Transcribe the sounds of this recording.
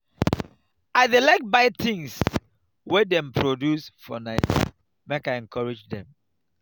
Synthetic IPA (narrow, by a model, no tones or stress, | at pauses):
aɪdilak̚t̚baɪt̪ĩŋs | wɛdɛ̃mpʰɹodjusfɔ̰naɪt | mekaɪɛ̃nkʰɔɹed͡ʒdɛ̰̃m